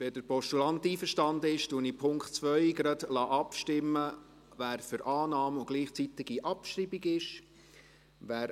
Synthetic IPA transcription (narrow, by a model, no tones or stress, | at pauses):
ʋedəɾpɔʃtulɑnt̪iːfəɾʃtɑnd̪əɪʃtuənipʰʊŋktt͡svœʏɡɾɑdlɑːʔɑpʃtɪmːə | ʋæːɾfʏɾʔɑːnɑːmʊɡ̥liːχt͡sit̪ɪɡiʔɑpʃribiɡɪʃ | ʋæːɾ